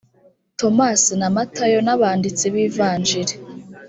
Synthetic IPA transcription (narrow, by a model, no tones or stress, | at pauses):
to̞masinamatʰajo̞naβaːndit͡siβiːvaːnd͡ʒiɾe